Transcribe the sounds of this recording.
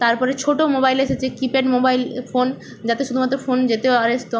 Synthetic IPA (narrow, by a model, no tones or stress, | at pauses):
t̪aɾpɔɾet͡ɕʰoʈomobajleʃet͡ɕʰekipeɖmobajlfon | d͡ʑat̪eʃud̪ʱumat̪ːɾofond͡ʑet̪eoaɾesʈo